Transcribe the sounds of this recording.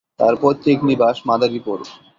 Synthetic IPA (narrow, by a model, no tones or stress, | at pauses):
t̪a̰ɾpɔt̪ːeknibaʃmad̪aɾipɔɾo̰